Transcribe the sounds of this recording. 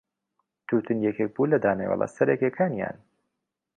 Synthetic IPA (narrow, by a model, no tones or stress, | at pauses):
t̪ʰut̪ʰɨnjɛkʰek̚bulɐd̪aːmḛwɛ̰lˠʔɐ̰sɐɾɛkekʰaːnja̰ːn